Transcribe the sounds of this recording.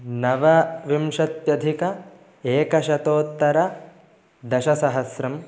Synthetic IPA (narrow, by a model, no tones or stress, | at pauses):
nɐʋɐʋimʃɐt̪jɐd̪ʱikɐ | eːkɐʃɐt̪oːt̪ːɐɾɐ | d̪ɐʃɐsɐɦɐsɾɐm